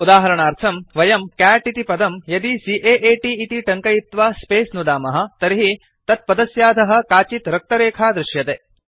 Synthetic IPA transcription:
ud̪aːɦɐɾɐɳaːɾt̪ʰɐmʋɐjɐmkæːʈit̪ipɐd̪ɐmjɐd̪isiːʔeːʔeːʈiːt̪iʈɐŋkɐjit̪ʋaːspeːsnud̪aːmɐɦɐ̆t̪ɐɾiɦi | t̪ɐt̪̚pɐd̪ɐsjaːd̪ʱɐɦɐ̆kaːt͡ʃit̪ɾɐk̚t̪ɐɾeːkʰaːd̪ɾɪʃjɐt̪eː

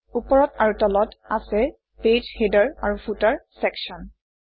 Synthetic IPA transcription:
upɔɹɔtaɹutɔlɔtasɛ | ped͡ʒhedaɹaɹufʰutaɹsɛksɔn

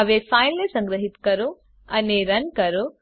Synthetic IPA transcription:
ɐʋefaːjlnesɐŋɡɾɐɦit̪kɐɾu | ɐneɾɐnkɐɾo

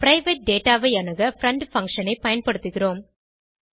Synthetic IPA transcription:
pɪɾɐɪʋɐʈ̚ɖeːʈaːʋɐɪɐnɐɣɐfɾɐɳɖfɐŋkʂɐnɐɪpɐjɐnpɐɽɯt̪ːɯɣɪroːm

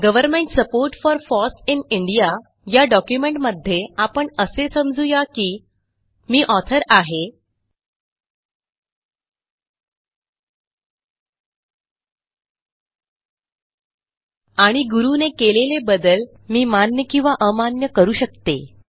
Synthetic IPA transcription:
ɡəʋəɾmeɳʈsəpoɾʈfɔɾfɔsiniɳɖija | jaɖɔkjumeɳʈməd̪ʱːjeapəɳəsesəmd͡zujakiː | miːʔɔt̪ʰəɾaɦe | aɽ̃iɡuɾunekelelebəd̪əl | miːmanjəkĩw̃ʋaʔəmanjəkəɾuːɕək̚t̪e

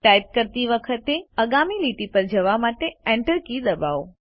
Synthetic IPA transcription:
ʈajp̚kəɾt̪iʋəkʰət̪eəɡamiliʈipəɾd͡ʒəʋamaʈeɛ̃ɳʈəɾkid̪əba̰ʋ

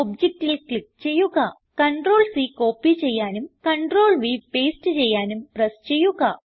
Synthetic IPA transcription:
ob̚d͡ʑek̚ʈːilkit͡ɕejːuɣɐ | kɐɳʈɾoːlsikoːpːit͡ɕejːaːnumkɐɳɖroːlʋipeːsʈɨt͡ɕejːaːnumpɾɐst͡ɕejːuɣɐ

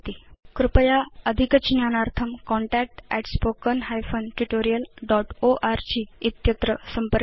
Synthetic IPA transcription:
t̪ikɾupəjaəd̪ʱikət͡ɕnjanaɾt̪ʰəmkɔ̃ɳʈæk̚ʈɛʈspokənɦajfonʈuʈoɾijəlɖɔʈoʔaɾt͡ɕiːt̪jət̪ɾəsəmpə

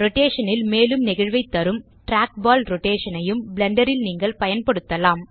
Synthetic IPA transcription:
ɾɔʈeːʂɐnɪlmeːlɯmnɪɣɐɻʋɐɪt̪ːɐɾɯm | ʈɾaːk̚baːlɾɔʈeːʂɐnɐjɯmbɪlɛɳɖɐɾɪlniːŋɡɐɭpɐjɐnpɐɽɯt̪ːɐlaːm

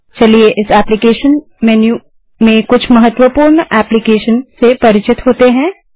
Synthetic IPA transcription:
t͡ʃɐlieʔɪsɛːplikeːʃən | mɛːnju | mẽkʊt͡ʃʰmɐɦət̪ːwəpuːɾnɛːplikeːʃənsepɐɾɪt͡ʃɪt̪ɦoːt̪eɦɛ̃ː

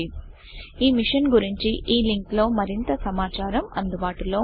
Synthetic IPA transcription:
i | iːmiʂɐnɡuɾiɲt͡ʃiʔiːliŋklo̞ːmɐɾint̪ɐsɐmaːt͡ʃaːɾɐmɐ̰nd̪ubaːʈuloː

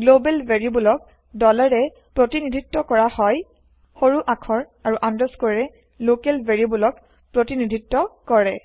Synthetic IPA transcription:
ɡlobɛlbeɹiubulɔk̚ | dɔlaɹɛ | pɹotinidʱitːɔkɔɹahɔj | xoɹuʔakʰɔɹaɹuʔandɔskɔɹɛ | lokɛlbʱeɹiubulɔk | pɹotinidʱitːɔkɔɹɛ

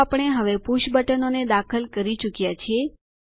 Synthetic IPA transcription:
apəɳ̃eɦəʋepuʃbəʈənoned̪akʰəlkəɾit͡ʃukjat͡ʃʰe

